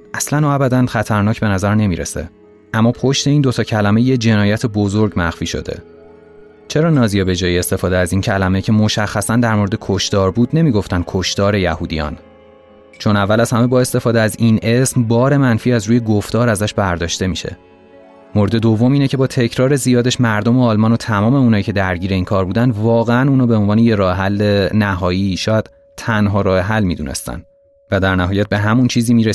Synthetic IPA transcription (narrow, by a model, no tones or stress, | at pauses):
ʔæslænoæbæd̪ænxæt̪ʰæɾnɒːcbe̞næzæɾne̞miːɾḛsḛ | ʔæmːɒːpʰoʃt̪e̞ind̪o̞t̪ʰɒːcʰælæme̞jed͡ʒe̞nɒːjæt̪ʰebozo̞ɾɟmæχfiːʃo̞̰d̪e̞̰ | t͡ʃʰe̞ɾɒːnɒːzijɒbe̞d͡ʒɒːjiest̪e̞fɒːd̪eæzincʰælæme̞cʰe̞mo̞ʃæxːæsænd̪æɾmoɾed̪ekʰoʃt̪ɒːɾbuːd̪ne̞miːɡo̞ft̪ænd̪̚kʰoʃt̪ɒːɾe̞jæhuːd̪ijɒ̰ːn | t͡ʃʰo̞nævːælæz̥hæme̞bɒːe̞st̪e̞fɒːd̪eæzinʔe̞smbɒːɾe̞mænfiːæzɾuːje̞ɡoft̪ɒːɾæzæʃbæɾd̪ɒːʃt̪e̞miːʃe̞̰ | moɾe̞d̪e̞d̪ovːomiːne̞cʰe̞bɒːt̪ʰe̞cʰɾɒːɾe̞zijɒːd̪e̞ʃmæɾd̪o̞moːlmɒːnot̪ʰæmɒːme̞unhɒːjicʰe̞d̪æɾɟiːɾe̞iːnkʰɒːɾbuːd̪ænd̪vɒːɣeænuːnɒːbe̞onvɒːnejeɾɒːheɦælːenæɦɒːjiːʃɒːjæd̪̥ | t̪ʰænɦɒːɾɒːheɦælːmiːd̪ṵnʔḛst̪æ̰n | væd̪æɾnæɦɒːjæt̪̚be̞ɦæmunt͡ʃʰiːziːmiːɾe